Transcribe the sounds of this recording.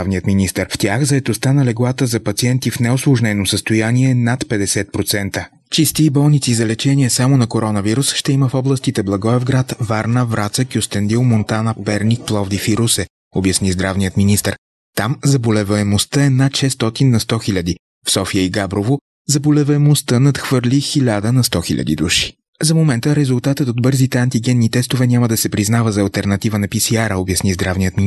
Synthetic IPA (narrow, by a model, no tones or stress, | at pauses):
vnijət̪minist̪əɾft̪ʲaxzɐɛt̪ost̪anɐlɛɡlˠat̪əzɐpɐt̪siɛnt̪ifnɛoslˠoʒnɛnosəst̪ojaniɛnat̪pɛd̪ɛsɛt̪̚pɾot̪sɛnt̪ə | t͡ʃist̪iːbɔlˠnit̪sizɐlɛt͡ʃɛniɛsamonɐkoɾɔnɐviɾusʃt̪ɛiməfɔblˠəst̪it̪ɛblˠɐɡɔɛvɡɾat̪vaɾnəvɾat̪səkiost̪ɛnd̪ilˠmont̪anəpɛɾnik̚plˠɔvd̪ifiɾusɛ | objɐsnizd̪ɾavnijət̪minist̪əɾ | t̪amzɐbolɛvɛɛmost̪əɛnat̪ʃɛst̪ɔt̪inːɐst̪ɔxilʲɐd̪i | fsɔfiəiɡabɾovo | zɐbolɛvəɛmost̪ənɐt̪xvəɾlʲixilʲad̪ənɐst̪ɔxiʎʲɐ̰d̪ḭd̪uʃi̥ | zɐmomɛnt̪əɾɛzulˠt̪at̪ət̪od̪̚bɤɾzit̪ɛɐnt̪iɡɛnːit̪ɛst̪ovɛnʲamɐd̪ɐsɛpɾiznavəzɐːlˠt̪ɛɾnɐt̪ivənɐpisiaɾəobjɐsnizd̪ɾavnijət̪mi